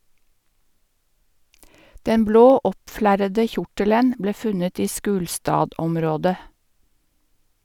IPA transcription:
ˈdɛn ˈbloː ˈɔpˌflæɾədə ˈçʊʈələn ˈbleː ˈfʉnət ˈiː ˈʃʉːlstɑːˌdɔmɾoːdə

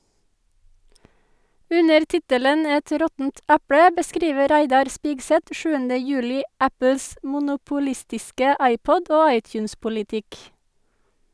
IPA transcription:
ˈʉnəɾ ˈtɪtələn ˈɛt ˈɾɔtn̩t ˈæpɽə bəˈskɾiːʋə ˈɾæɪdɑɾ ˈspiːɡsɛt ə ˈʃʉːəndə ˈjʉːlɪ ˈæpl̩s mʊnʊpʊˈlɪstɪskə ˈɑɪˌpɔd ˈoː ˈɑɪˌtjʉːnspʊlɪˌtɪk

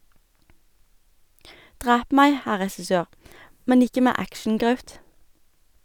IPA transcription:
ˈdʁæːp ˈmæɪ ˈhæ ʁɛsɪˈsøːʁ ˈmɛn ˈɪkə ˈmæː ˈækʃn̩ˌɡʁɑʉt

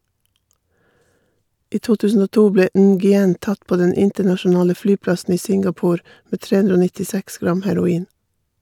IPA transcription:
ˈiː ˈtuː ˈtʉːsn̩ ˈoː ˈtuː ˈbleː ˈnɡʏˌɛn ˈtɑt ˈpoː ˈdɛn ˈɪntəɳɑʃʊˌnɑːlə ˈflyːˌplɑsn̩ ˈiː ˈsɪŋɡɑˌpuːɾ ˈmeː ˈtɹeː ˈʉndɾ ˈoː nɪtɪˈsɛks ˈɡɾɑm hæɾʊˈiːn

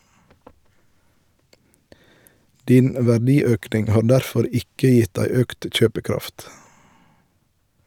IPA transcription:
ˈdiːn ʋæˈɖiːˌøːknɪŋ ˈhɑːɾ ˈdæɾˌfɔɾ ˈɪkə ˈjɪt ˈdæɪ ˈøːkt ˈc͡çøːpəˌkɾɑft

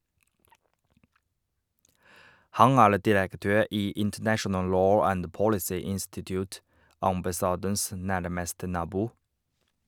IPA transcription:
ˈhɑŋ ˈæːɭ dɪɾəkˈtøːɾ ˈiː ɪntəˈnæʃənəl ˈloː ˈænd ˈpɔɽɪsiː ˈɪnstɪtjʊːt ɑmbɑˈsɑːdəns ˈnæɾməstə ˈnɑːbuː

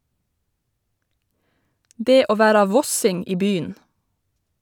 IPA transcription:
ˈdeː ˈoː ˈʋæɾɑ ˈʋɔsɪŋ ˈiː ˈbyːn

